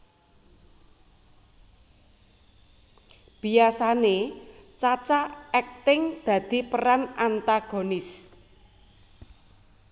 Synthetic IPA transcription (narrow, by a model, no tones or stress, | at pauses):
b̥iasanet͡ʃat͡ʃaɛk̚t̪ɪŋd̪̥ä̤d̪̥i̤pəɾanant̪aɡ̥onɪs